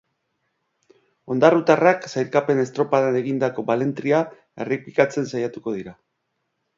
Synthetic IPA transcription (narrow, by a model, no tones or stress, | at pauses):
o̞nd̪arut̪araksajɾkape̞ne̞st̪ɾo̞paðaneɣind̪ako̞βale̞nt̪ɾia | e̞̰repikat͡se̞nsajat̪uko̞ð̞iɾa